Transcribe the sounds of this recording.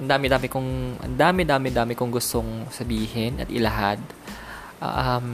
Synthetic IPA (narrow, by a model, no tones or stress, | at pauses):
ʔɐnd̪aːmɪd̪aːmɪkʊŋʔɐ̰nd̪aːmɪd̪aːmɪd̪aːmɪkʊŋɡʊst̪oŋsɐbiːhɪnɐ̰t̪ʔɪlɐɦad̪̚ | ʔɐm